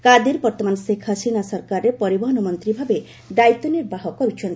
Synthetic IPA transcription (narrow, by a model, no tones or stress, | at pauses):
kad̪iɾbɔɾt̪ɔmansekʰːasinasɔɾkaɾepɔɾibɔɦɔnɔmɔnt̪ɾibʱabe | ɖ̪ajt̪ːɔniɾbaɦɔkɔɾit͡ʃʰɔn